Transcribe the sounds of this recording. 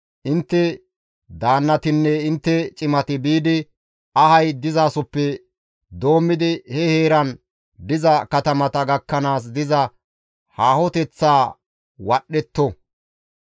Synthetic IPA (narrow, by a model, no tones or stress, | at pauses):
ʔɪnt̪ːɛ | d̪aːnːɐt̪ɪnːɛɪnt̪ːɛt͡ʃʼɪmɐt̪ɪbiːd̪ɪ | ɐhɐjd̪ɪzaːsɔpːɛ | d̪o̞ːmːɪd̪ɪhɛhe̞ːɾɐn | d̪ɪzɐkɐt̪ɐmɐt̪ɐɡɐkːɐnaːs̬d̪ɪzɐ | haːhɔt̪ɛt͡sːaː | wɐɗːɛt̪ːɔ